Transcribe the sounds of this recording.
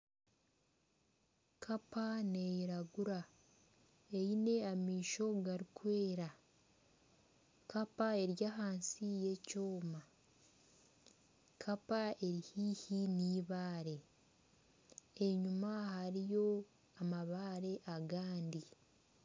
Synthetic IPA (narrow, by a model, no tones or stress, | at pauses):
kʰapane̞jiɾaɡuɾa | ejine̞amiːʃo̞ɡaɾikwe̞ːɾa | kapae̞ɾjaɦaːnsije̞coːma | kʰapae̞ɾihiːhiniːβaːɾe̞ | eɲumahaɾijo̞ | amaβaːɾe̞ʔaɡaːndi